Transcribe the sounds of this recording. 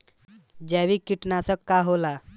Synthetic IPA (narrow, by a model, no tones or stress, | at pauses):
d͡ʒɛʋikiʈnasəkːaɦola